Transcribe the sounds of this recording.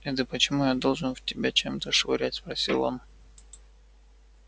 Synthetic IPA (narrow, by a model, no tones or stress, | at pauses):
ɛd̪əpət͡ɕɪmujad̪o̞lˠʐɨnvtʲɪbʲat͡ɕemt̪əʂvʊɾʲætʲspɾɐsʲḭlˠo̰n